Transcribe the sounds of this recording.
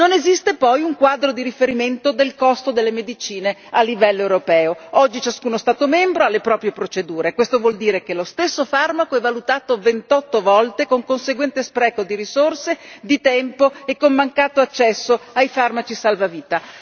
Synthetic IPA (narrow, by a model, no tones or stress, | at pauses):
nonezist̪epɔjuŋkwaːd̪ɾod̪iɾifeɾiment̪od̪elkɔst̪od̪elːemed̪it͡ʃiːnealːivɛlːoewɾopɛːoɔd͡ʒːit͡ʃaskuːnost̪aːt̪omɛmbɾoalːepɾɔːpɾjepɾot͡ʃed̪uːɾekwest̪ovwɔld̪iːɾekelost̪esːofarmakoɛvːalut̪aːt̪ovent̪ɔt̪ːovɔlt̪ekoŋkonseɡwɛnt̪espɾɛːkod̪iɾisorsed̪it̪ɛmpoekːomːaŋkaːt̪oat͡ʃːɛsːoajfarmat͡ʃisalvaviːt̪a